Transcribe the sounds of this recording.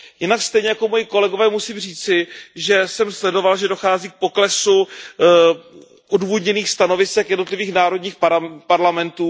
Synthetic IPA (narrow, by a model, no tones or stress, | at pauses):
jɪnakst̪ɛjɲɛjako̞mojɪko̞lɛɡo̞vɛːmusiːmriːt͡sɪʒɛsɛmslɛdo̞valʒɛdoxaːziːk̚po̞klɛsu | ʔoduːvodɲɛniːxst̪ano̞vɪsɛkjɛdnot̪lɪviːxnaːɾo̞dɲiːxppaɾlamɛnt̪uː